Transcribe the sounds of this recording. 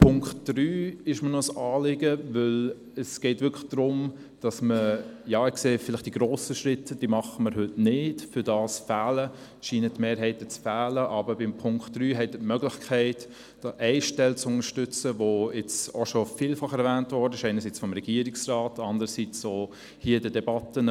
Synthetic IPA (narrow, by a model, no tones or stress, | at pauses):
pʰʊŋktd̥ryːɪʃmənɔsɑːlɪɡəvʏl | əsɡ̥ɛɪtʋʏkʰlə̥d̥ɾʊm | d̥ɑsməjɑːɪkseːfɪlɪχtd̥iɡ̥ɾoːsəʃɾɪtʰːəd̥iːmɑχəməɾɦʏtnɪdfʏdɑːsfæːlə | ʃiːnətmeːɾɦɛɪtət͡sfæːləʔɑbəbɪmpʰʊŋktɾyːɦɛtətmœɡlɪχkʰɛɪt | d̥ɑʔɛɪʃtɛlt͡sʊnəʃtʏt͡səʋoɛt͡so̰ʃɔfɪːlfɑχɛɾvæːntvɔɾdəɪʃɛɪnəɾsiːt͡sfɔmɾɛɡ̥iːəɾɪksrɑːtɑndəɾəsit͡soː | hiːədədɛbɑtən